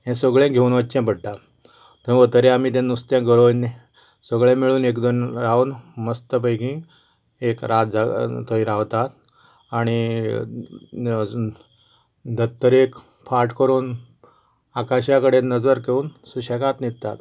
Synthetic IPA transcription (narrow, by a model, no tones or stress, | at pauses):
jɛ̃səɡɭẽɡʱeunʋət͡ɕɛ̃pəɽʈ̪a | t̪oĩʋət̪əɾẽamit̪̬ɛ̃nːust̪jãɡəɾoinːe | səɡɭɛ̃miɭuːnekd̪onɾaunməst̪əpəjkĩ | ekɾʔat̪̚d͡zat̪ə̃ĩɾaʋt̪at̪ | aɽ̃i | d̪ət̪ːəɾek | faɾʈkəɾuːn | akaɕjakəɽenəd͡zəɾkeuːnsuɕɛkat̪nit̪t̪a̰t̪